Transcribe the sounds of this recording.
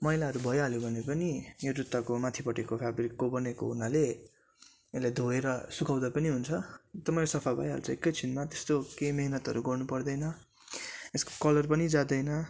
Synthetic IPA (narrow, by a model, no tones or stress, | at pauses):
mʌijlaɦʌɾubʱʌjɦʌljobʱʌnepʌnijoɾut̪ːakomat̪ʰipʌʈekopʰabɾikːobʌneko̰ɦunale | elad̪ʱoeɾʌsukawd̪apʌniɦunt͡sʰʌt̪ʌmʌjosʌpʰabʱʌ̰jʌ̰ɾut͡sãekːʌjt͡sʰinmat̪est̪okejmeɦnʌt̪ɦʌ̰ɾuɡʌrnupʌrd̪ʌjnʌ | esko̥kʌlʌrpʌnid͡zad̪ʌjnʌ